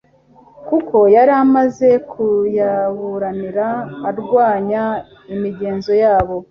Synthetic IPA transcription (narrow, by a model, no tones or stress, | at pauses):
kuko̞jaɾamaze̞kʰujaβuɾaniɾaːɾɡwaːɲa | imiɟe̞ːnzo̞jaːβo̞